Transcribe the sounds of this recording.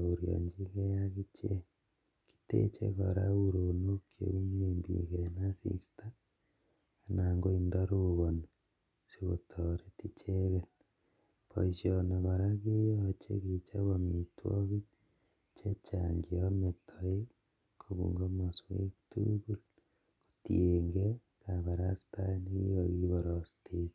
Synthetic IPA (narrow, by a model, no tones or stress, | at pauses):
uɾjo̰ɲd͡ʒiɣejaɣit͡ʃe | ki̥tḛt͡ʃḛɣoɾaɣuɾonokʰjḛumiembḭɣenasḭsta | naŋɡoindaɾoɣone | siɣo̰tʰoɾetit͡ʃeɣet | po̰sisioneβaɾaɣejot͡ʃḛɣet͡ʃaβamitwo̰ɣi | t͡ʃet͡ʃaŋɡiometʰoe | kʰoβṵŋɡomaswḛktṵɣul | otjeŋɡe | kaβaɾasi̥taniɣiɣoɣiβoɾosi̥tʰit